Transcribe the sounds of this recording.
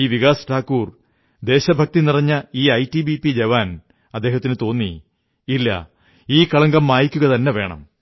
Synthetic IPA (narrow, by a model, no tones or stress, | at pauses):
iːʋiɣaːsɐ̥ʈʰaːkːuːr | d̪e̞ːɕɐbʱɐk̚t̪inirɐɲːɐiːɐjtibipid͡ʑeʋaːn | ɐd̪ːe̞ːɦɐt̪ːinɨt̪o̞ːnːi | ilːɐ̰ | iːkɐɭɐŋɡɐmːaːjikʲːuɣɐt̪ɐnːe̞ʋe̞ːɳɐ̰m